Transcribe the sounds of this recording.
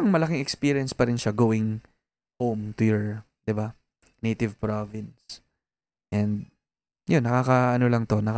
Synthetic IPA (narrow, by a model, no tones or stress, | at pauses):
ɐŋmɐlɐkɪŋɛkspiɾjɐnspɐɾɪnʃaɡowɪŋ | howmt̪ʊjɔɹ | d̪ɪba | nejt̪ɪvpɹovɪns | ʔɛnd̪̚ | jʊnːɐkaːkɐʔɐnolɐŋt̪o̞nɐk